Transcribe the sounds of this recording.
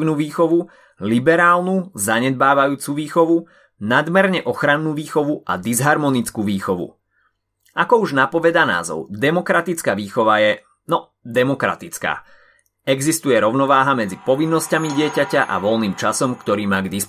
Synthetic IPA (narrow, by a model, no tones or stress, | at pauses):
nuːʋiːxɔʋu | libɛɾaːlnuzaɲɛd̪̚baːʋajuːt͡suʋiːxɔʋu | nad̪mɛɾɲɛʔɔxɾanːuːʋiːxɔʋua̰d̪izɦaɾmɔnit͡skuːʋiːxɔʋṵ | akɔuʒnapɔʋɛd̪ana̰ːzɔ̰ʊd̪ɛmɔkɾat̪it͡skaʋiːxɔʋajɛ | nɔ | d̪ɛmɔkɾa̰t̪it͡ska̰ː | ɛɡzist̪ujɛɾɔʊnɔʋaːɦamɛd͡zipɔʋinːɔscamiɟɪɛcacaʔa̰ʋɔlniːmt͡ʃasɔmkt̪ɔɾiːmaːɡd̪is